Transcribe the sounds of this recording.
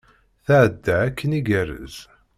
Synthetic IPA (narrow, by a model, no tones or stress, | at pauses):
θaʕəd̪ːaækʰːəniɡærə̰z